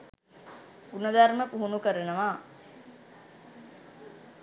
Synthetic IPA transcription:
unəd̪aɾməpuɦunukəɾənəʋaː

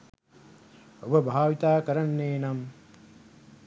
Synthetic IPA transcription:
obəbʱaːʋit̪aːkəɾɐnːeːnɐm

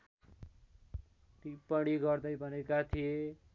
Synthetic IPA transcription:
t̪ipʌɽ̃iɡʌrd̪ʌjbʱʌnekat̪ʰije

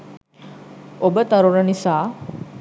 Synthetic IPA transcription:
obət̪ɐɾuɾənisaː

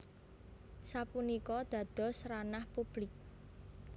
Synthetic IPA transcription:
sapunikɔd̪̥ä̤d̪̥ɔ̤sɾanahpub̥lɪk̚

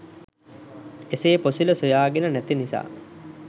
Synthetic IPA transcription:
eseːposiləsujaːɡenənæt̪inisa̰ː

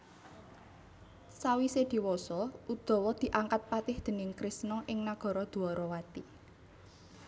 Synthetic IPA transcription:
sawised̪̥i̤wɔsɔud̪̥ɔ̤wɔd̪̥i̤ʔaŋkat̪̚pat̪ɪhd̪̥ə̤nɪŋkɾɪsnɔʔɪŋnaɡ̥ɔ̤ɾɔd̪̥ṳɔɾɔwat̪i

